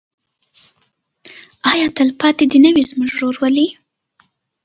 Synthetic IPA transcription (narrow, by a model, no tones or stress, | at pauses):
ɑjɑt̪əlpɑt̪ed̪inəwizmʊʒɾoɾwəli